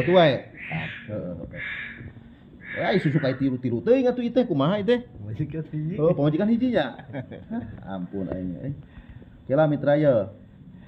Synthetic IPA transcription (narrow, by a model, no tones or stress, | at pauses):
at̪uaeaəʔəʔə | aisusukait̪iɾut̪iɾut̪əiŋat̪uit̪ɛhkumaɦait̪̬ɛhmad͡ʒikaniiəpamad͡ʒikanɦid͡ʒiɲa | a̰mpuna̰iɲa̰ | kelamit̪ɾajə